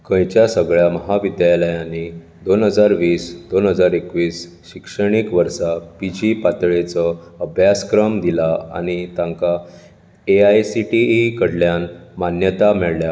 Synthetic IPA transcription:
kə̃jt͡ɕjasəɡɭjaməɦaʋid̪jaləjãnːi | d̪onɦəd͡zaɾʋiːsd̪onɦəd͡zaɾekʋiːs | ɕikʂəɽ̃ikʋəɾsapid͡ʑipat̪ɭet͡səəbʱjaskɾəmd̪ilaa̰ɽ̃it̪ãŋka | eajsiʈikəɽljanmanjət̪amɛɭlja

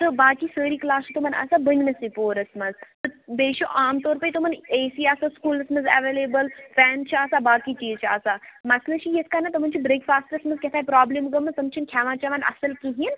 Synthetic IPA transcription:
t̪ɨbaːkiːsəːɾiːklaːsit̪umɐnɐ̰saːbəɲʲnɐsipoːɾɐsmɐzt̪ɨbeːʃoʔaːmt̪oːɾpəit̪omɐneːsiaːsaskuːlɐsmɐnzɛ̰ʋeːleːbəlfɛːnt͡ʃʰaːsabaːkit͡ʃiːzt͡ʃʰaːsaːmɐslɐt͡ʃʰijeskaːnɐt̪ɐmɐnt͡ʃʰibɾeːkfaːsʈəɾɐsmɐzkʲet̪ʰaːipɾaːblimɡɐmɐt̪ɐmt͡ʃʰinkʲʰaːʋaːt͡ʃaʋaːnɐ̰sɐlkiɦin

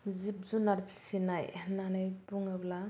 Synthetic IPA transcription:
zip̚zunaɾbʰi̥sinajnːanajbuŋabla

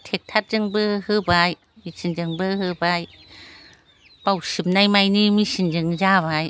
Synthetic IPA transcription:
tʰek̚tʰat̚zɯŋbɯhɯbaj | misʰind͡ʒɯŋbɯɦɯbaj | b̥awsɯp̚najmajnimisind͡ʒɯŋzaβaj

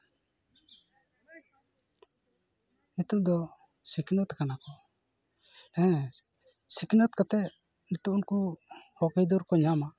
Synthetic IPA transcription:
nit̪ud̪ɔ | siknɔt̪kanakɔ | ɛ̃ | siknɔt̪kat̪ɛ | nit̪uunkuhɔkɛjd̪ɔɾkɔɲama

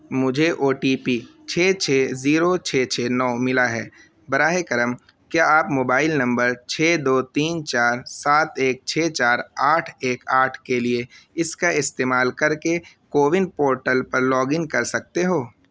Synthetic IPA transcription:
mʊd͡ʒʱeʔoːʈiːpiː | t͡ʃʰeːt͡ʃʰeːziːɾot͡ʃʰeːt͡ʃʰeːnɔːmɪlaɦɛː | bɐɾaːɦekɐɾəm | kjaːaːpmoːbaːɪlnɐ̃mbəɾt͡ʃʰeːd̪oːt̪iːnt͡ʃaːɾsaːt̪eːk̚t͡ʃʰeːt͡ʃaːɾaːʈʰeːkaːʈʰkelieɪskaɪst̪eːmaːlkɐɾke | koːʋɪnɖpoːɾʈəlpɐɾlɔːɡɪ̃ŋkɐɾsɐk̚t̪eɦoː

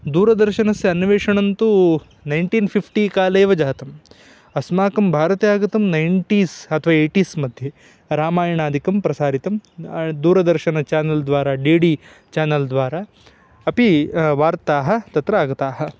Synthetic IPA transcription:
d̪uːɾɐd̪ɐɾʃɐnɐsjɐɐnʋeːʂɐɳɐnt̪u | nɐjɳʈiːnpʰipʰʈikaːleːʋɐd͡ʒaːt̪ɐm | ɐsmaːkɐmbʱaːɾɐt̪ejaːɡɐt̪ɐmnɐjɳʈiːsɐt̪ʰɐʋaːeːʈiːsmɐd̪ʱje | ɾaːmaːjɐɳaːd̪ʱikɐmpɾɐsaːɾit̪ɐmd̪uːɾɐd̪ɐɾʃɐnɐt͡ʃaːnɐld̪ʋaːɾaːɖiːɖi | t͡ʃaːnɐld̪ʋaːɾaː | ɐpiʋaːɾt̪aːɦɐ̆t̪ɐt̪ɾɐaːɡɐt̪aːɦɐ̆

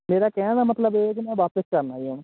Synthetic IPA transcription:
meːɾaːkɛːnnaːmət̪ləbek̬imɛ̃ːʋaːpəskəɾnaːiũ

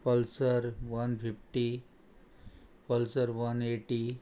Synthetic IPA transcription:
pəlsəɾʋɐnpʰipʰʈi | pəlsəɾʋɐneʈi

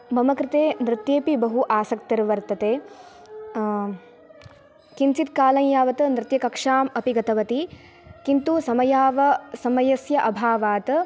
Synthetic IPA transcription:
mɐmɐkɾɪt̪eːnɾɪt̪jeːpibɐɦuʔaːsɐk̚t̪ɐɾʋɐɾt̪ɐt̪eː | kint͡ʃit̪̚kaːlɐŋjaːʋɐt̪ɐnɾɪt̪jɐkɐkʂaːmɐpiɡɐt̪ɐʋɐt̪i | kint̪usɐmɐjaːʋɐsɐmɐjɐsjɐʔɐbʱaːʋaːt̪

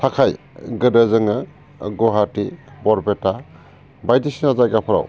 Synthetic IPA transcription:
tʰakʰaj | ɡɯdazɯŋɯ | ɡoɦatibɔɾbeta | bajdisinazajɡapʰɔɾa̰w

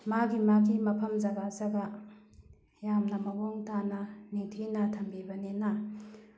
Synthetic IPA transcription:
maɡimaɡimɐpʰɐmzɐɡazɐɡa | jamnɐmɐbɔŋtanɐnitʰinɐtʰɐmbibɐnena

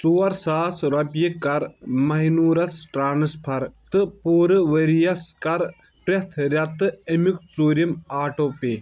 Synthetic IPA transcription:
t͡suːɐɾsaːsɾɐpjikɐɾmɐɦinuːɾɐsʈɾaːnɨspʰɐɾt̪ɨpoːɾɨʋɐɾijɐskɐɾ | pɾet̪ʰɾʲɐt̪ɨɐmik̚t͡suːɾimaːʈoːpe

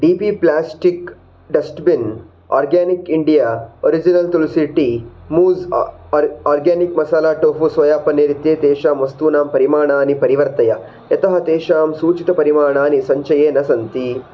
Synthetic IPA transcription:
ɖiːpiplaːsʈik | ɖɐsʈbin | aːɾɡaːnikiɳɖijaːo̰ɾid͡ʒinɐlt̪ulisiʈimuːz | aːɾɡaːnikmɐsaːlaːʈoːɦusʋɐjaːpɐneːɾit̪jeːt̪eːʃaːmʋɐst̪uːnaːmpɐɾimaːɳaːnipɐɾiʋɐɾt̪ɐjɐ | ɐt̪ɐɦɐt̪eːʃaːmsuːt͡ʃit̪ɐpɐɾimaːɳaːnisɐɲt͡ʃɐjeːnɐsɐnt̪i

